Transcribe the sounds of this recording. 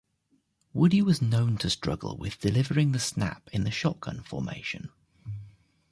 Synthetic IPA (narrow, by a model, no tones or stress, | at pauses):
wʊdiwɒznə̃ʊ̃ntʰəstɹ̥ʌ̰ɡə̰lˠwɪ̰ðd̥ɪlɪvəɹɪ̃ŋðəsna̰pʰɪ̃nðəʃɒkʰə̰̃nfɔ̰ːmḛɪʃə̰̃n